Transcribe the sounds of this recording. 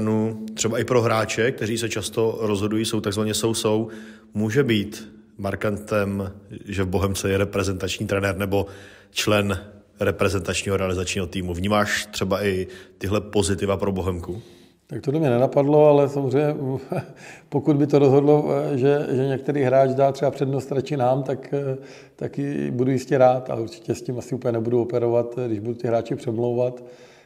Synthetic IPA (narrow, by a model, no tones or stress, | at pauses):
nut̪r̝̥ɛbaɪpɾo̞ɦɾaːt͡ʃɛkt̪ɛɾiːsɛt͡ʃast̪o̞ɾozɦo̞dujiːso̞wt̪aɡzvaɲɛso̞wso̞w | muːʒɛbiːt̪ | maɾkant̪ɛmʒɛvbo̞ɦɛmt͡sɛjɛɾɛpɾɛzɛnt̪at͡ʃɲiːt̪ɾɛnɛɾnɛbo̞ | t͡ʃlɛn | ɾɛpɾɛzɛnt̪at͡ʃɲiːɦoɾɛalɪzat͡ʃɲiːɦo̞t̪iːmuvɲiːmaːʃt̪r̥ɛbaʔɪt̪ɪɦlɛpo̞zɪt̪ɪvapɾoboɦɛmku | t̪ak̚t̪odlɛmɲɛnɛnapadlo̞alɛsamozrɛjɲɛ | pokudbɪt̪oɾozɦo̞dlo̞ʒɛʒɛɲɛk̚t̪ɛɾiːɦɾaːt͡ʃdaːt̪r̥ɛbapr̝̥ɛdnost̪ɾat͡ʃɪnaːmt̪ak | t̪akjɪbudujɪscɛɾaːt̪a̰lɛuɾt͡ʃɪ̥cɛscimasɪupəlɲɛnɛbuduopɛɾo̞vat̪ɡdɪʒbudut̪ɪɦɾaːt͡ʃɪpr̥ɛmlowvat̪